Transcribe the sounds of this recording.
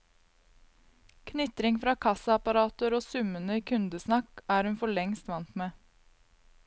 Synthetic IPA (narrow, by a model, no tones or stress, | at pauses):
kʰnʏt̪ɾɪŋfɾɑːkʰɑsɑɑpɑɾɑːt̪əɾoːsʉmənəiːkʰʉnd̪əsnɑkæːɾhʉnfɔɭɛŋst̪ʋɑnt̪meː